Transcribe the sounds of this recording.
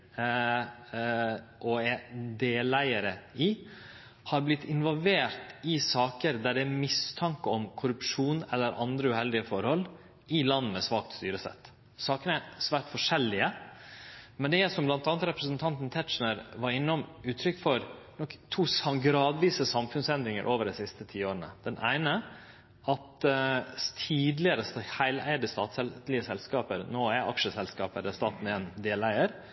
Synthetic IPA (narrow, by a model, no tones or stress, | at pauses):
ʔɔɛd̪eːlæɪəɾəɪ | hɑɾblɪt̪ʰːɪnʋɔlʋeːɾt̪ɪsɑːkəɾd̪æɖɛæmɪst̪ʰɑŋkəɔmkʰʊɾʉpʂuːnɛlːəɾʔɑ̰nd̪ɾəʉhɛld̪ɪəfɔɾhɔl | ʔɪlɑnːmɛsʋɑːk̚t̪st̪yːɾəsɛ̰t̪ː | sɑːkənəæsʋæːʈ̪fɔʂɛlːɪə | mɛnd̪ɛæʂɔmblɑnt̪ɑːnət̪ɾɛpɾəsnt̪ʰɑnt̪n̩t̪ʰɛt̪ʂnəɾʋɑɾɪnːɔmʉːt̪ʰɾʏkːfɔɾnɔkt̪ʰuːsɑɡɾɑːd̪ʋiːsəsɑmfʉnsɛnd̪ɾɪŋə̰ɾʔoːʋəɖɛɪsɪst̪ət̪ʰiːoːɾənə̰d̪̥ɛnʔæ̰ɪnə | ʔɑt̪ | t̪ʰiːd̪lɪəɾəshæɪlæ̰ɪd̪əst̪ɑːt̪sɛlɪəsɛlskɑːpəɾnoːæɾʔɑ̰kʂəsɛlskɑːpəd̪ɛst̪ɑːt̪n̩eːnd̪eːlæɪəɾ